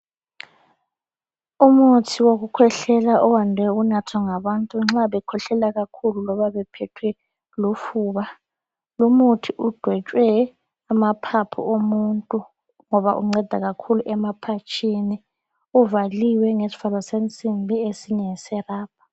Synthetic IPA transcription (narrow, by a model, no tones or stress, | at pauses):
umutʰiwoɣukʰwɛɬɛlaʔɔwandʱwɛunatʰwaŋaβantʼuŋ͡ǁaβɛkʰɔɬɛlaɣakʰululɔβaβɛpʰɛtʰwɛ | lufuːβa | lumutʰiʔud̥ʱwɛt͡ʃʼwɛ | amapʰapʰṵomuntʼu | ŋɔβaʔṵŋ͡ǀɛd̥ʱa̰ɣakʰuluʔɛmapʰat͡ʃʼʰini | uvaliwɛŋesi̥falɔsent͡sʼimbʱiesiɲɛsɛraːp̚ʰḁ